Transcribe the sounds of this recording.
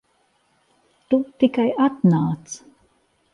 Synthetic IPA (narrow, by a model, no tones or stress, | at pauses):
t̪ut̪ikajat̪naːt̪s